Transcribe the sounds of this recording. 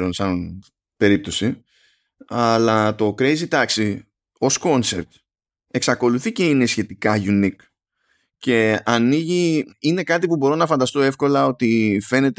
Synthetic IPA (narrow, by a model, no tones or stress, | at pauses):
ɾo̞nsɐn | pe̞ɾip̚t̪o̞si | ɐlɐt̪o̞kɾe̞jzit̪ɐksi | o̞sko̞nsep̚t̪ | e̞ksɐko̞luθice̞ine̞sçe̞t̪ikɐʝunik | ce̞ɐniʝiine̞kɐt̪̬ipubo̞ɾo̞nɐfɐnd̪ɐst̪o̞e̞fko̞lɐo̞t̪ife̞ne̞t̪